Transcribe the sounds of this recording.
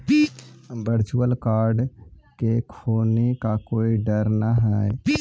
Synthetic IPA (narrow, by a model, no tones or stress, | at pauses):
bəɾt͡ʃuəlkaːɾɖ | kekʰoːnekakoːiɖəɾnaɦɛe